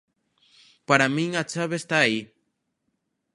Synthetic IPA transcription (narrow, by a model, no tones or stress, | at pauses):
paɾamĩŋat͡ʃaβest̪aːi